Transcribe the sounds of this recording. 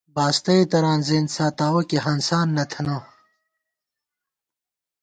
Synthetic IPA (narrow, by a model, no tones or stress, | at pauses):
baːst̪ɐit̪ɐɾãːnzẽːnsaːt̪aːwɐkeɦɐnsaːnːɐt̪ʰɐnãː